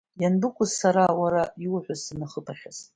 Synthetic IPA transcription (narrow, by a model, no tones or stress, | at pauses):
janbɨkʷʼʊzsaɾawaɾaiwħʷʊzinaχəpʰʼaχʲaz